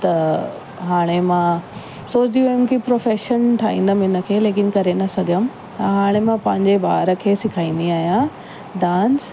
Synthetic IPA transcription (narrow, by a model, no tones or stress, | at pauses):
t̪ɐ | ɦaːɽ̃emãː | soːt͡ɕd̪iujʊmkʰipɾoːfeːʃənʈ̪ʰaːĩːnd̪əmɪnə̆kʰeːleːkɪnkɐɾenɐsɐɡʱəmɪ | t̪ɐɦaːɽ̃emãpɐ̃ɦɪ̃ɲd͡ʑebaːɾəkʰeːsɪkʰaːĩːn̆d̪iaːɦijã | ɖãːns